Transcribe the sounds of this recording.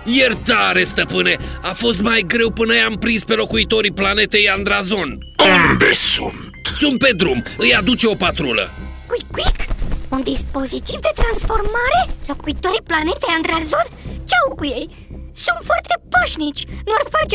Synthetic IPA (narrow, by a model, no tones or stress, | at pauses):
jert̪aɾe̞st̪əpɨne̞afo̞st̪majɡɾe̞wpɨnəjampɾinspe̞lo̞kuit̪o̞ɾiplane̞t̪e̞jand̪ɾazo̞n | und̪ḛsṵnt̪sunt̪̚pe̞d̪ɾumɨjad̪ut͡ʃe̞o̞pat̪ɾulə̰kikwikund̪ispo̞zit̪ivd̪e̞t̪ɾansfo̞rmaɾe̞lo̞kuit̪oɾiplane̞t̪ejand̪ɾazo̞nt͡ʃawkujej | sunt̪foart̪e̞paʃnit͡ʃʲnuorfart͡ʃ